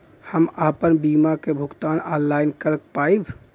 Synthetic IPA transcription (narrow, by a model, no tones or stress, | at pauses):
həmapənbimakebʱuɡt̪anɔnlajnkəɾək̚paib